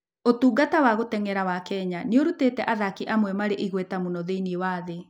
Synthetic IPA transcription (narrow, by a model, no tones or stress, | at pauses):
otuːɡatawaɣotɛŋɛɾawakɛɲaneoɾutetɛʔaðakiʔamwɛmaɾeʔiɣwɛtamunɔðeiniewaðe